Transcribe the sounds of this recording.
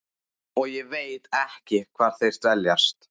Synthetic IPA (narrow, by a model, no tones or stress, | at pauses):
ɔɣjɛveːjt̪ɛhcɪkʰvaːɾ̥θejr̥t̪vɛljast̪